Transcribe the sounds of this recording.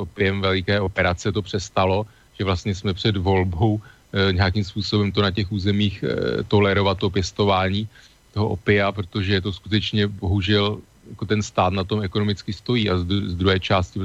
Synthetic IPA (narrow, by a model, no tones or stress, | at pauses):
sʔopɪjɛmvɛlɪkɛːʔo̞pɛɾat͡sɛt̪o̞pr̝̥ɛst̪alo̞ | ʒ̥ɛvlast̪ɲɛsmɛpr̝̥ɛdvo̞lbow | ɲɛakimspuːso̞bɛmt̪o̞nacɛxʔuːzɛmiːxt̪o̞lɛɾo̞vat̪̚ːop̬jɛst̪o̞vaːɲiː | t̪o̞ɦo̞ʔo̰pɪapɾot̪o̞ʒɛt̪o̞skut̪ɛt͡ʃɲɛbo̞ɦuʒɛl | jako̞t̪ɛnst̪aːt̪nat̪o̞mɛko̞nomɪt͡skɪst̪o̞jiːʔazuzd̪ɾuɦɛːt͡ʃaːscɪ